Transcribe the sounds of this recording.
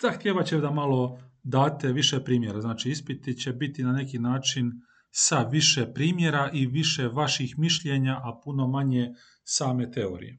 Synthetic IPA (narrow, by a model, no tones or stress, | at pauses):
z̥axt̪ʲjeːʋat͡ɕed̪amalˠo̞d̪aːt̪e̞ʋiʃepɾiːmje̞ɾaznaːt͡ʃiispit̪it͡ɕe̞bit̪inane̞kinaːt͡ʃin | saʋiʃepɾiːmjeɾaʔiʋiʃeʋaʃixmiʃʎeɲaʔapuno̞maɲe̞ | saːme̞t̪e̞o̞̰ɾḭje